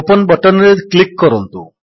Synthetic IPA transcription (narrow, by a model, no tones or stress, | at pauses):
pənbəʈənɾeklikːɔɾɔnt̪ṵ